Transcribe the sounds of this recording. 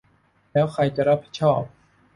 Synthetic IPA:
lɛː˦˥wkʰɾa˧jt͡ɕa˨˩ʔɾa˦˥pʰːi̥˧˥t̪̚t͡ɕʰɔː˥˩p̚

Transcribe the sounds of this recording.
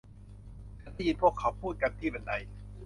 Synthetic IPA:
t͡ɕʰa˨˦˥da˥˩ji˧npʰu˥˩əkʰːa˧˦wpʰuː˥˩t̪̚ka˧nt̪ʰiː˥˩pe˧nda˧j

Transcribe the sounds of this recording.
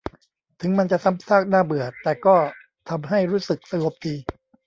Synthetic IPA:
t̪ʰɯ˩˦ŋma˧nt͡ɕa˨˩ʔsa˦˥˩msaː˥˩k̚naː˥˩bɯ˨˩ɐt̪ːɛː˨˩kɔː˥˩ | t̪ʰa˧mɦa˥˩jɾuː˦˥sɯ˨˩k̚sa˧ŋo˨˩p̚diː˧

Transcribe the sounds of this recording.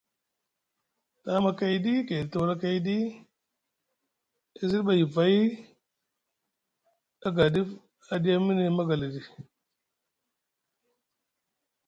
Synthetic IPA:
ta˨˦ma˨ka˨ji˦di˦ke˨dta˨˦ɾa˦ka˨ji˦di˦ | a˨˦zi˦ɾɓa˨ji˨va˨˦i˦ | a˦ɡa˨di˦f | a˨di˦ja˦mi˦ni˨ma˦ɡa˨li˨di˨

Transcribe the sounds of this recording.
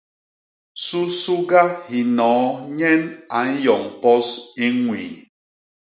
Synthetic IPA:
su˦su˦ɡa˦hi˨nɔː˨˦ɲɛ˦na˨n̩˦jɔ˨ŋpɔ˦si˦ŋwḭ˨

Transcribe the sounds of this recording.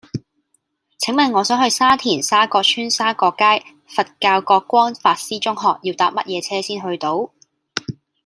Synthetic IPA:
t͡sʰɪ˨˥ŋmɐ˨˧nŋɔː˨˧sœː˨˥ŋhɵ˧ɥsaː˥t̪ʰiː˨˩nsaː˥kɔː˧t͡ʃʰyː˥nsaː˥kɔː˧kːaː˥j | fɐ˨t̚kaː˧wkɔː˧kːʷɔː˥ŋfaː˧t̚siː˥t͡ʃʊ˥ŋɦɔː˨k̚jiː˧wt̪aː˨˥p̚mɐ˥t̚jɛː˨˧t͡sʰɛː˥siː˥nɦɵ˧ɥt̪o˨˥w

